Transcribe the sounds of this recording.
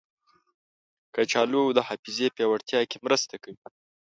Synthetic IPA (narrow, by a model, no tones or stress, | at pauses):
kət͡ʃɑlud̪əhɑfizepjɑwaɽt̪jɑkemɾəst̪akawi